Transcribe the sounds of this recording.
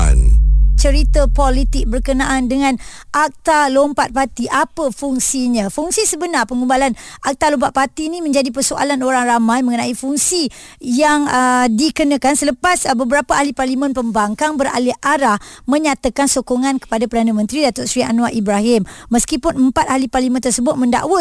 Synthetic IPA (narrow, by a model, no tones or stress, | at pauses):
nt͡ʃəɾit̪əpolit̪ɪk̚bərkənaʔandəŋãn | ʔak̚t̪alompat̪̚pat̪iʔapəfuŋsiɲãfuŋsisəbənarpəŋumbalan | ʔak̚t̪alompaʔ̪̚pat̪inĩmə̃ɲd͡ʒadipərsoʔa̰lanoɾaŋramãjməŋənaifuŋsi | jaŋədikənakansələpasbəbəɾapaʔaliparlimə̃npəmbaŋkaŋbəɾa̰lɪhʔaɾahmə̃ɲat̪akansokoŋãnkə̥padapərdanəmə̃nt̪ɾidat̪ʊʔsɾia̰nuaʔibɾaɦɪmːəskipʊnəmpat̪̚aliparlimə̃nt̪ərsəbʊt̪̚mə̃nda̰ʔwə